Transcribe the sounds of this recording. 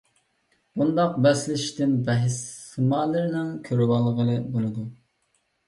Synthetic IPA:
bund̪ɑq̚bɛslɪʃʃt̪ɪnbɛɦɪsɨmɑːlˠɨɾɪnɪŋkʲʰøɾwɑlˠəʁəlˠɨbolˠɨd̪u

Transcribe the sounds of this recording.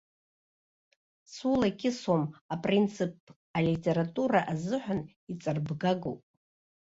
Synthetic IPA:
sulakʲʰɪsomapʼrint͡sʰɨpʰ | alitʲʼe̞ɾatʼuɾaʔazɨħʷᶣan | it͡sʼarbɡaɡowpʼ

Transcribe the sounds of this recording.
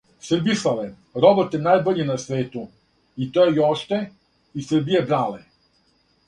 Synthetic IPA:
srbisale | ɾobot̪enaːjbor̩ʎinasʋeːt̪u | it̪ojejoʂt̪e | isr̩bijebɾaːle

